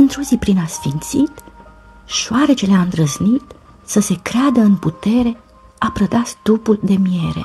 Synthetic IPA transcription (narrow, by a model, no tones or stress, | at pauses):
ɨnt̪ɾozipɾinasfint̪sit̪ | ʃoaɾet͡ʃeleand̪ɾəznit̪ | səse̞kɾead̪əɨnput̪e̞ɾe̞ | apɾəd̪ast̪upuld̪e̞mie̞ɾe̞̰